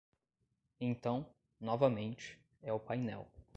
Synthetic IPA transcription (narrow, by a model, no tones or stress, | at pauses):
ẽt̪ɐ̃w̃ | nɔvɐmẽnt͡ʃɪ̥ | ɛʊpajnɛ̰w